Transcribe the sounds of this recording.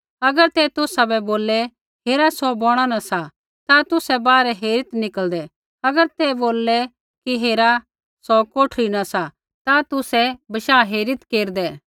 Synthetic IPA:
ɐɡəɾt̪ɛt̪ʊsabɛboːlːɛ | ɦeːɾasɔbɔːɽ̃anɐsa | t̪at̪ʊsɛbaːɾɛɦeːɾɪt̪nɪkəld̪ɛ | ɐɡəɾt̪ɛboːlːɛ | kiɦeːɾa | sɔkoːʈʰɾinɐsa | t̪at̪ʊsɛbɐʃaːɦeːɾɪt̪keːɾd̪ɛː

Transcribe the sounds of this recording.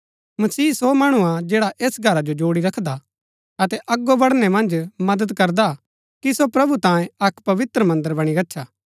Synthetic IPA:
mɐsiːsomaːɽ̃uad͡ʒɛːɽaʔeːsɡʱɐɾad͡ʒod͡ʒoːɽiɾɐkʰd̪a | ɐt̪ɛʔɐɡːobɐɽnɛmɐ̃nd͡ʒmɐd̪əd̪kɐɾd̪a | kisopɾɐbut̪ãːjẽɐkpɐʋɪt̪ɾəmɐ̃nd̪əɾbɐɽ̃iɾɐtːʃʰaː

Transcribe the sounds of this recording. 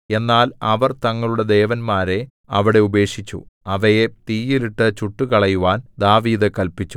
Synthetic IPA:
e̞nːaːlɐʋɐrt̪ɐŋːɐɭuɽe̞d̪e̞ːʋɐnmaːɾe̞ | ɐʋiɽe̞ube̞ːkʂit͡ɕːṵɐʋɐjet̪iːjiliʈːɨt͡ɕuʈːukɐɭɐjuʋaːnd̪aːʋiːðɨkɐlpit͡ɕːu

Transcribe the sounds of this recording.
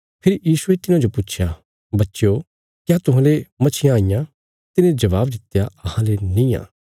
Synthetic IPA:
pʰɪɾjiːsuet̪ɪnãd͡ʒopʊtːʃʰja | bɐtːʃjo | kjaːt̪ʊɦãːlemɐt͡ʃʰɪjãːijã | t̪ɪnẽd͡ʒɐβaːbd̪ɪt̪ːjaɐhãlenĩã̰ː

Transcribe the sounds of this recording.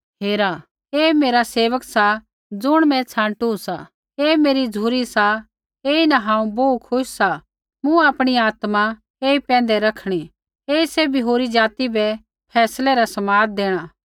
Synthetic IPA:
ɦeːɾa | eːmeːɾaseːʋəksa | d͡zʊɽ̃mɛ̃t͡sʰãːʈusa | eːmeːɾid͡zʱuːɾisa | eːinaɦãːũboːukʰʊʃsa | mũaːpɽ̃iaːt̪ma | eːipɛ̃ːnd̪ɛɾɐkʰɽ̃i | eːisɛbʱiɦoːɾid͡ʒaːt̪ibɛ | pʰɛːslɛɾasɐmaːd̪̚d̪eːɽ̃aː

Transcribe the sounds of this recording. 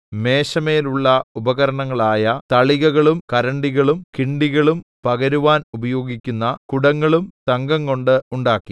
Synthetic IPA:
me̞ːɕɐmeːluɭːɐubɐɣɐɾɐɳɐŋːɐɭaːjɐt̪ɐɭiɣɐɣɐɭumkɐɾɐɳɖiɣɐɭumkiɳɖiɣɐɭumpɐɣɐɾuʋaːnubɐjo̞ːɡikʲːunːɐkuɽɐŋːɐɭumt̪ɐŋɡɐŋko̞ɳɖɨuɳɖaːkːi

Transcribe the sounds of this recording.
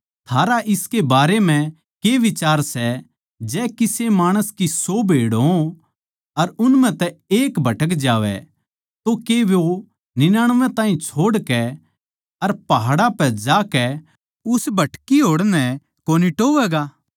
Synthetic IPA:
t̪ʰaːɾaʔɪskebaːɾemɛ̃ | keʋɪt͡ʃaːɾsɛ | d͡ʒɛːkɪsemaːɽ̃əskisobʱeːɽɦõ | ɐɾʊnm̤ɛ̃t̪ɛeːkbʱɐʈək̬d͡ʒaːʋɛ̰ | t̪okeʋjo | nɪnaːɽ̃ʋɛ̃t̪aːɦĩt͡ʃʰoːɽkɛ | ɐɾpɐɦaɽapɛd͡ʒaːkɛ | ʊsbʱɐʈkiɦoːɽnɛ | koːniʈoːʋɛːɡaː

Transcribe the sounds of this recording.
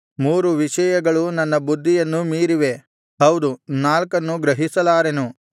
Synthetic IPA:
muːɾuʋiʃɐjɐɡɐɭunɐnːɐbud̪ʱːijɐnːumiːɾiʋe̞ | ɦɐwd̪unaːlkɐnːuɡɾɐɦisɐlaːɾenu

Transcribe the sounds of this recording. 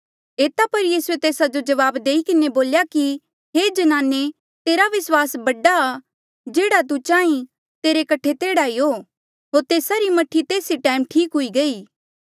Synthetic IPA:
eːt̪apɐɾjiːsuet̪eːsad͡ʒod͡ʒɐʋaːbd̪eːikɪneboːljaki | ɦed͡ʒɐnaːnːe | t̪eːɾaʋɪswaːsbɐɖaː | d͡ʒeːɽat̪̬ut͡ʃãːĩ | t̪eːɾekɐʈʰːet̪eːɽaiɦoː | ɦoːɾt̪eːsaɾimɐʈʰit̪eːsiʈãːɪmʈʰiːkɦʊiɡɐiː

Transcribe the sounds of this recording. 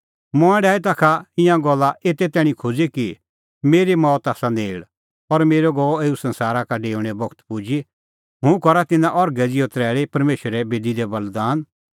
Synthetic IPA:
mɔ̃ɛ̃ɖaːɛt̪̬akʰaɪ̃jãɡɔlːaʔeːt̪ɛt̪ɛːɽ̃ĩkʰʊd͡ziki | meːɾimɔːt̪aːsaneːɪɭ | ɔɾmeːɾɔɡɔːeːusɐ̃nsaːɾakaɖeːʊ̃ɽ̃ɛbɔkʰt̪pud͡ʒi | ɦʊ̃kɔɾat̪ɪnãʔɔɾɡɛd͡zɪjot̪ɾɛːɭepɐɾmeːʃəɾɛbeːd̪id̪ɛbɐld̪aːn

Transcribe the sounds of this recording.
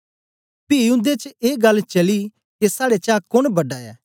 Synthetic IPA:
piːʊ̃nd̪et͡ʃeːɡɐlt͡ʃɐli | kesaːɽet͡ʃaːkʊɽbɐɖaːja̰ː

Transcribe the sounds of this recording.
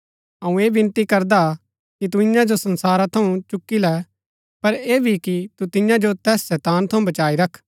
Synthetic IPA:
ɐũeːbɪ̃nt̪ikɐɾd̪a | kit̪̬uɪ̃jãd͡ʒosɐ̃nsaːɾat̪ʰɐũt͡ʃʊkːilɛ | pɐɾeːbʱikit̪ut̪ɪjãd͡ʒot̪ɛːsːɛːt̪aːnt̪ʰɐũbɐt͡ʃaːiɾɐkʰ

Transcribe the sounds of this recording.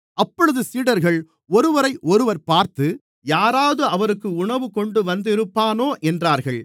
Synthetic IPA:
ʔɐpːɔɻɯðɯsiːɽɐɾɣɐɭ | ɔɾɯʋɐɾɐɪʔɔɾɯʋɐɾpaːɾt̪ɯ | jaːɾaːðɯɐʋɐɾɯkːɯʊɳɐʋɯkɔɳɖɯʋɐnd̪ɪɾɯpːaːnoːʔɛndraːɾɣɐɭ

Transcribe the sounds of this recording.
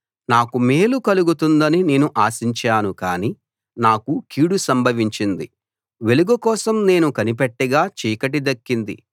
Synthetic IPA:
naːkume̞ːlukɐluɡut̪und̪ɐnine̞ːnuʔaːsiɲt͡ʃaːnukaːni | naːkukiːɽusɐmbʱɐʋiɲt͡ʃind̪ḭ | ʋe̞luɡɐkɔːsɐmne̞ːnukɐnip̬eʈːɐɡaːt͡ʃiːkɐʈ̬id̪ɐkːind̪ḭ

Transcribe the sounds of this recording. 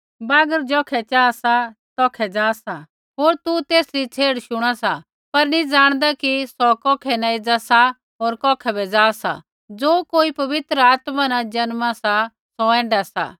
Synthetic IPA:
baːɡəɾd͡ʒɔːkʰɛt͡ʃaːsat̪ɔːkʰɛd͡zaːsa | ɦoːɾt̪ut̪eːsɾit͡sʰeːɽʃʊɽ̃asa | pɐɾnĩd͡zaːɽ̃d̪akisɔkɔːkʰɛnãed͡zasa | ɦoːɾkɔːkʰɛbɛd͡zaːsa̰ | d͡zoːkoːipɐʋɪt̪ɾəaːt̪manãd͡ʒɐnmãsa | sɔɛ̃ːɳɖasa̰

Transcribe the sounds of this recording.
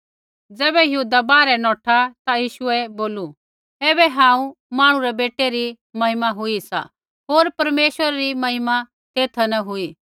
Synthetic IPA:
d͡zɛːbɛjɐɦuːd̪abaːɾɛnɔːʈʰat̪ajiːʃʊɛboːlu | eːbɛɦãːũmãːɽ̃ũɾɛbeːʈeɾi | mɐɦɪmaɦʊisa̰ | ɦoːɾpɐɾmeːʃʋəɾaɾimɐɦɪma | t̪eːt̪ʰanɐɦʊiː

